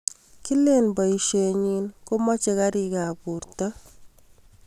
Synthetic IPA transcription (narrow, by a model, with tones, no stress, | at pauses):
ki˦le˦˨nbɔ˨i˨ʃe˨ɲi˦nko˦mɔ˦t͡ʃe˧ka˦ɾi˨ka˨pu˨ɾtɔ˦